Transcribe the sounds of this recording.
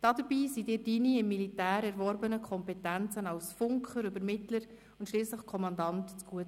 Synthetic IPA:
d̥ɑdəɾbiːsidɪːdiniɪmːilitæːɾɛɾvɔɾbənəkʰɔmpɛtænt͡sənɑlsfʊŋkχəɾʏbəɾmɪtləɾ | ʊntʃliːsləχkʰɔmɑndɑntt͡sɡ̥uət

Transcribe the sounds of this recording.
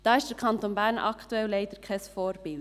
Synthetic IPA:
d̥ɑːɪʃd̥əɾkʰɑnt̪onbæːɾnʔɑ̰kʰt̪uɛlleɪd̪̥əɾkʰɛsfɔːɾb̥ɪl

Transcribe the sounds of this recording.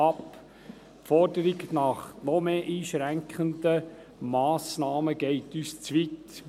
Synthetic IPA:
ɑp | fɔɾdəɾiɡnɑχnɔmeːʔiːʃɾæŋkχəndə | mɑːsnɑːməɡɛɪtyːst͡sʋit

